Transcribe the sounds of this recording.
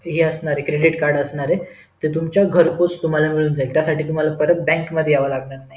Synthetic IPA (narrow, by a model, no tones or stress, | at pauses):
ɦeːəsɳaɾekɾeɽiʈkaɾɽəsɳaɾe | t̪et̪̬umt͡ɕjaɡʱəɾpot͡st̪um̤alamiɭuːnd͡zailt̪jasaʈiːt̪um̤alapəɾət̪̚bɛ̃ŋkməd̪ʱjeaʋalaɡɳaɾnaɦi